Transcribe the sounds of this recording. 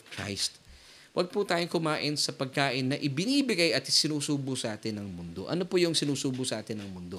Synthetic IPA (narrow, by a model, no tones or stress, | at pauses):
kɹa̰jst̪ | wʔɐɡ̚pʊt̪aːjoŋkʊmaːʔɪnsɐpɐɡ̚kaːʔɪnːɐʔɪbɪniːbɪɡajʔɐt̪sɪnuːsuːbʊsɐʔaːt̪ɪnːɐŋmʊnd̪o̞̰ʔɐnopojʊŋsɪnuːsuːbʊsɐʔaːt̪ɪnːɐŋmʊnd̪o